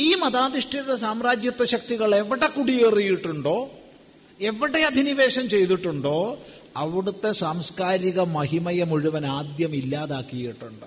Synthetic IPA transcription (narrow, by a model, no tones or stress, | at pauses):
iːmɐðaːd̪iʂʈʰiðɐsaːmɾaːd͡ʑjɐt̪ːwɐɕɐk̚t̪iɣɐɭe̞ʋiɽekːuɽierijiʈːuɳɖo̞ː | e̞ʋiɽeɐd̪ʱiniʋe̞ːɕɐmt͡ɕe̞jt̪iʈːuɳɖo̞ː | ɐʋiɽut̪ːe̞saːmskaːɾiɣɐmɐɦimɐjɐmuɻuʋɐnaːd̪jɐmilːaːðaːkːijiʈːuɳɖɨ